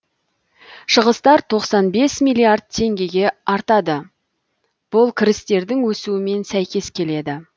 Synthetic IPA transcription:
ʃəʁəst̪ɑɾt̪ʰo̞qsɑnbe̞smijlʲˠiaɾd̪̚t̪ʰe̞ŋɡʲe̞ɡʲe̞ɑɾt̪ɑd̪ə | b̥ʊlˠkʲʰɪɾɪst̪e̞ɾd̪ɪŋwɵsuɪme̞nsæjkʲe̞skʲʰe̞le̞d̪ɪ

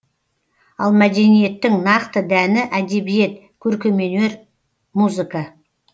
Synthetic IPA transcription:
ɑlˠmæd̪e̞nije̞t̪ːɪŋnɑqt̪əd̪ænɪʔæd̪e̞bije̞t̪ | kʲʰɵɾkʲe̞me̞ne̞ɾ | muzɨka

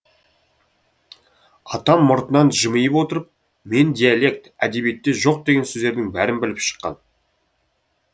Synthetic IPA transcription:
ɑt̪ɑmːʊɾt̪ənɑnʒəməjəpwo̞t̪əɾəp̚ | me̞nd̪ʲijalʲˠe̞k̚t̪æd̪e̞bje̞t̪ːe̞ʒo̞q̚d̪e̞ɡʲe̞nsɵzd̪e̞ɾd̪ɪŋbæɾɪnbɪlɪpʃə̥qːɑ̰n

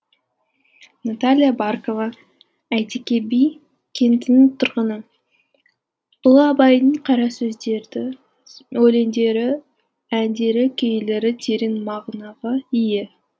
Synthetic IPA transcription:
nat̪alʲijabarkovɑ | æjt̪ekʲe̞bij | kʲʰe̞nt̪ɪnɪt̪ʰʊɾʁənə | ʊlˠəɑbɑjd̪əɴqʰɑɾɑsɵzd̪e̞ɾd̪ɪ | ɵle̞nd̪e̞ɾɪ | ænd̪e̞ɾɪkʲʰejle̞ɾɪt̪ʰeɾenmɑʁnɑʁɑijɪ

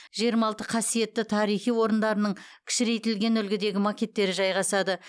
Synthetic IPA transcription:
ʒijəɾmɑlˠt̪əqʰɑsije̞t̪ːɪt̪ʰɑɾijχijwo̞ɾənd̪ɑɾənəɴkʲʰɪ̥ʃɪɾe̞jt̪ɪlɡʲe̞nʏlɡʲɪd̪e̞ɡʲɪmakʲe̞t̪ːe̞ɾɪʒɑjʁɑsɑd̪ə

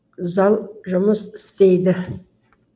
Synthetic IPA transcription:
zalʒamɨzst͡sʼejdɨ

